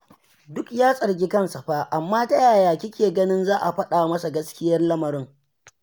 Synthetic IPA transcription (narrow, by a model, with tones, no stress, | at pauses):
dʊ˦kjaː˦sʼɐ˨rɡʲi˦kɐ˦nsa˨ɸaː˦ʔa˨mːaː˦tɐ˦jaː˨jaː˨kʲɪ˦kʲʰeː˨ɡɐ˦nɪ˦nzaː˦ʔa˨ɸɐ˦ɗaː˨mɐ˦sa˨ɡɐ˦skʲɪ˦jɐ˦rlɐ˦mɐ˨ɾɪ˦ŋ